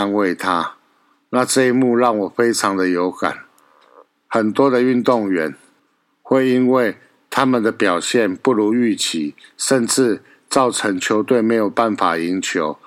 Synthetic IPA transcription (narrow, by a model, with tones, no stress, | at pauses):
a˧˥nwe˥˩ɪt̪ʰa˦ | na˥˧ʈ͡ʂɤ˥˧i˥mu˥˧ɻɑ˥˩ŋwɔ˨˩fe˥ɪʈ͡ʂʰɑ˧˦ŋd̪ə˨jo˧˦ʊka̰˨˩n | xə˨˩nt̪wɔ˦d̪ə˨y˥˧nt̪ʊ˥˨˩ŋɥɛ˨˦n | xwe˥˩ɪi˦˥nwe˥˩ɪ | t̪ʰa˦mə˨nd̪ə˨pjɑ˨˩ʊɕjɛ˥˨npu˥˩lu˧˦y˥˩t͡ɕʰi˨˦ʂə˥˧nʈ͡ʂɻ̩˥˧ | t͡sɑ˥˨˩ʊʈ͡ʂʰə˧˥ŋt͡ɕʰjo˧˥ʊt̪we˥˩ɪme˧˥ɪjo˨˩ʊpa˥˩nfa˨˩i˧˦nt͡ɕʰjo˧˦ʊ